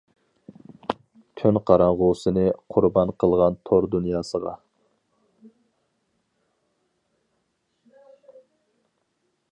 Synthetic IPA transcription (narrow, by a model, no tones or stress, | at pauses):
kʲʰynqʰɑɾɑɴʁʊsɨnɨqʰʊɾbɑnqʰəlˠʁɑnt̪ʰoɾd̪unjɑːsəʁɑ̰